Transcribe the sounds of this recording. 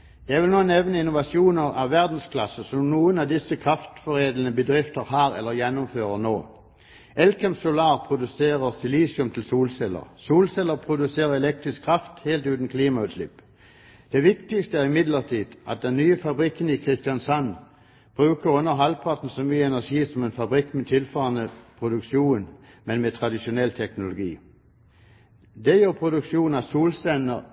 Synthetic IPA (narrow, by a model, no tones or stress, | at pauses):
jæɪʋɪlnoːnɛʋnəɪnʊʋɑsjuːnəʁɑʋʋæʁd̪n̩skʰlɑsəsɔmnuːənɑd̪ɪsəkʰʁɑft̪fɔʁeːd̪lnəbəd̪ʁɪft̪əʁɦɑːʁɛ̰lːəʁjɛnːʊmføːʁəʁnoː | ʔɛlkʰɛmsʊlɑːʁpʰʁʊd̪ʉseːʁəʁsɪliːsɪʉmt̪ʰɪlsuːlsɛlə̰ʁsuːlsɛlːəʁpʰʁʊd̪ʉseːʁəʁɛlɛk̚t̪ʁɪskʰːʁɑft̪heːlt̪ʉːt̪n̩kʰliːmɑʉt̪slɪ̰pː | d̪̥ɛʋɪkt̪ɪst̪əæʁɪmɪd̪ləʁt̪ʰiːd̪ʔɑ̰t̪̚d̪ɛnːyːəfɑbʁɪkːənɪkʰʁɪst̪ɪɑnsɑn | b̥ʁʉːkəʁʉnːəʁɦɑlpʰɑʁt̪n̩sɔmyːəɛnæʂiːsɔmenfɑbʁɪkːmet̪ʰɪlfɑːʁənəpʰʁʊd̪ʉkʃuːn | mɛnmeːt̪ʰʁɑd̪ɪʃʊnɛlt̪ʰɛknʊlʊɡḭː | d̪ɛjøːʁpʰʁʊd̪ʉkʃuːn̩ɑsuːlsɛnəʁ